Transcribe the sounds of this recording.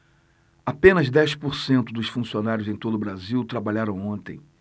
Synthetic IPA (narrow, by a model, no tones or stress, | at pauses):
apẽnɐzd̪ɛspoɾsẽnt̪ʊd̪ʊsfũsionaɾjʊzẽj̃t̪od̪ʊbɾaziwt̪ɾabaʎaɾɐ̃w̃õnt̪ẽj̃